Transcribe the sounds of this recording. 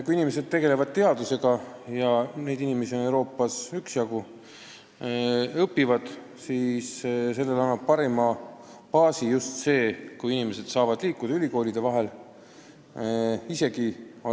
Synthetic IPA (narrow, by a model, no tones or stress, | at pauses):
kujinime̞s̬e̞d̪̚t̪e̞ɡe̞le̞vɑd̪̥̚t̪e̞ɑd̪̥use̞ɡ̥ɑjɑne̞jd̪inimesio̞ne̞wɾo̞ːpˑːɑsyksjɑɡu | ɤpːivɑd̪̥ | siːsse̞lːe̞lɑnːɑb̥̚pɑɾemɑ | pɑːsijust̪se̞ːkujinime̞se̞d̪̥sɑːvɑd̪̥liːkːˑud̪̥ɑylʲiko̞ːlid̪̥e̞vɑɦe̞l | ise̞ɡ̥io